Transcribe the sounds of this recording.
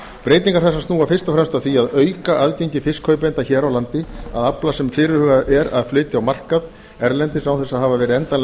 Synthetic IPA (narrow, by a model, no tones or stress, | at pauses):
pɾeːjt̪niŋkaɾ̥θɛsːast̪nuːafɪrst̪afɾɛmst̪awθiaðœːɥkaʔaðcejɲcɪfɪskhœːɥpent̪açɛːɾawlant̪ɪa̰ðaplasɛmfɪːɾɪhœːɣaðʔɛɾa̰ðflʏːt̪ɪawmar̥kað | ɛɾlɛnt̪ɪsawθɛsːaðɦaːvavɛːɾɪɛnt̪anl